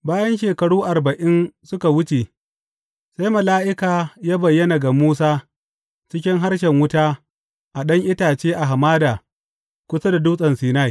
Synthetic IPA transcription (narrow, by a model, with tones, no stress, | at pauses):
baː˦jɐ˦nʃeː˨kɐ˨ɽuː˦ʔa˨rbɐ˨ʔɪ˦nsʊ˦ka˨wʊ˦t͡ʃeː˨ | sa˦jmɐ˨laː˦ʔɪ˦kaː˨jaː˦bɐ˨jːɐ˦na˨ɡa˨muː˦s̬aː˦ | t͡ʃɪ˦k̬ʲɪ˦ŋɦa˦rʃ̬ɛ˨ŋwʊ˦taː˦ | ʔa˨ɗɐ˦ŋʔɪ˦taː˨t͡ʃeː˦ʔa˨ɦa˨maː˦daː˨ | kʷʊ˦sa˦da˨duː˦sʼɐ˨nsiː˨na˦j